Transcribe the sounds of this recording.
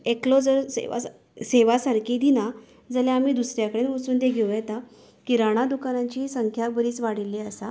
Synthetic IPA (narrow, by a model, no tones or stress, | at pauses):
eklod͡zəɾsḛʋa̰ | seʋasaɾkʰiːd̪ina | d͡zəljaam̤iːd̪usɾjakəɽenʋəsuːnd̪eɡʱeʋjɛt̪a | kiɾaɽ̃ad̪ukanãɲt͡ɕiːsəŋkʰjabəɾiːt͡sʋaɽilːiəsa